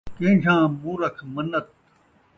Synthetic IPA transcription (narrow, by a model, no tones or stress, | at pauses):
kẽːɕʰãːmũːɾɐkʰmɐnːɐt̪̚